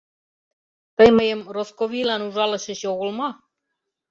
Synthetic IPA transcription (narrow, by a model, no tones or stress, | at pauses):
t̪ɤjməjə̆mroskoβilɑnuʒɑlˠɤ̆ɕĕɕoɣolˠmɑ